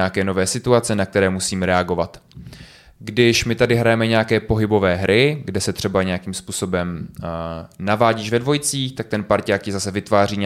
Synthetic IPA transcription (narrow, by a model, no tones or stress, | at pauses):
akɛːno̞vɛːsɪt̪uat͡sɛnak̚t̪ɛɾɛːmusiːmɾɛaɡo̞vat̪ | ɡdɪʃmɪt̪adɪɦɾajɛmɛɲɛakɛːpo̞ɦɪbo̞vɛːɦɾʔɪɡdɛsɛt̪r̝̥ɛbaɲɛjakiːmspuːso̞bɛm | navaːɟiʃvɛdvo̞jt͡siːxt̪ak̚t̪ɛnpaɾcaːkcɪzasɛvɪt̪vaːriːɲ